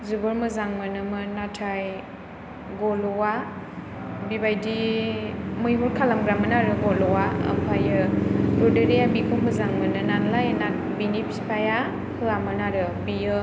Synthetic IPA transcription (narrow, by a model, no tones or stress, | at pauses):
zubɯɾmɯzaŋmɯnɯmɯnatʰaj | ɡɔlɔwa | bibajdi | mɯjɦuɾkʰalamɡɾamɯnaɾɯɡɔlɔwaə̰mpʰajɯdɔdeɾejabikʰomɯzaŋmɯnɯnanlajna | binipspʰaja | hɯamɯnaɾɯ | bijɯ